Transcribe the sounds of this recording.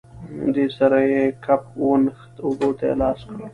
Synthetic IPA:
d̪esaɾajekʰap̚onxt̪ʊbot̪ḛlɑːskəɽo

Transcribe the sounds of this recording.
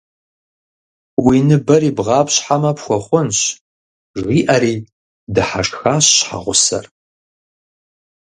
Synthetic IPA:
winɨbɐɾiːbʁɑːpɕħamɐpxʷɔχʷʊnɕ | ʒʁiːʔɐɾiː | dɨħa̰ʂxaːɕɕħa̰ʁʷʊsɐ̰r

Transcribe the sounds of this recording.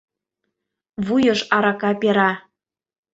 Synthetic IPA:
βujɤ̆ʃɑɾɑkɑpeɾɑ

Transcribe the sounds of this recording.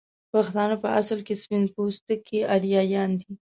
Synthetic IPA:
paxt̪ɑnapəʔasəlkespɪnd̪̚post̪əkʰeʔaɾjɑjɑnd̪i

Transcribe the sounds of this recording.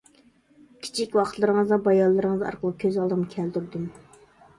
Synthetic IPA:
kʲʰi̥t͡ʃʰikʲwɑqʰt̪ʰlˠɨɾəŋəzd̪ɑbɑjɑlˠːɨɾəŋəzɑ̰ɾqʰəlˠəkʲʰøzɑlˠd̪ɨmkʲʰæld̪yɾd̪ym

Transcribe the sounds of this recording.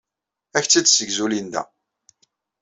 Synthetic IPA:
æçt͡sːid̪səɡzulind̪æ̰

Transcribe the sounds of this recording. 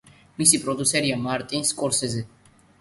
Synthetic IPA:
misipʼɾɔd̪usɛɾiamaɾt̪ʼinskʼɔɾsɛzɛ

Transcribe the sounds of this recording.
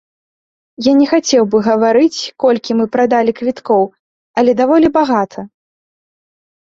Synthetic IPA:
janʲɛxat͡sʲɛwbɨɣɐvaɾɨt͡sʲkɔlʲkʲimɨpɾad̪alʲikvʲit̪kɔw | ɐlʲɛd̪avɔlʲibaɣat̪ʰɐ

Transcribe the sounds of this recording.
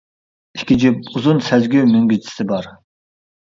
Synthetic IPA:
ikʲid͡ʒyp̚uzunsɛzɡʲymyŋɡʲyt͡ʃʰi̥sɪbɑɾ

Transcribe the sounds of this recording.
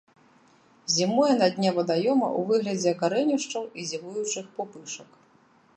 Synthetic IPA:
zʲimɔjɛnad̪ʲnʲavɨd̪ajɔmɐ̰ʔuvɨɣlʲɐd͡zʲɛkaɾɛnʲiʂt͡ʂɐwizʲivujut͡ʂɨxpɔpɨʂɐk

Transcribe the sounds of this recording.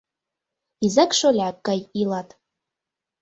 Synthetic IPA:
izakʼʂolʲʕakʼːajilatʼ

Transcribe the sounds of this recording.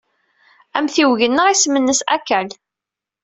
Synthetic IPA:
æmθiwʝənːəʁismənːəsæ̰kːæl

